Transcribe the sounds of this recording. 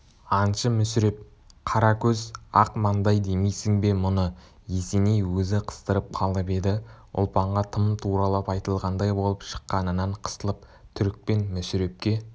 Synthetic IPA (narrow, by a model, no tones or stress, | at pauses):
ɑnʃəmʏsɪɾe̞p̚ | qʰɑɾɑkʲʰɵzɑqmɑnd̪ɑjd̪e̞mejsɪŋbe̞mʊnə | je̞se̞ne̞jwɵzɪqʰə̥st̪əɾəp̚qʰɑlˠəpe̞d̪ɪ | ʊ̰lˠpɑɴʁɑt̪ʰəmt̪ʰuɾɑlˠɑpɑjt̪əlˠʁɑnd̪ɑjbo̞lˠəpʃə̥qːɑnənːɑɴqʰə̥st̪əlˠəp̚ | t̪ʰʏɾk̚pe̞nmʏsɪɾe̞p̚kʲe̞